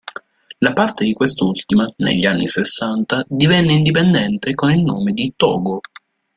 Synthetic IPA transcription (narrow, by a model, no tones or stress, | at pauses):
lapart̪ed̪ikwest̪ult̪imanḛʎːianːḭsesːant̪ad̪ivɛnːeind̪ipend̪ɛnt̪ekonilnoːmed̪it̪ɔ̰ːɡo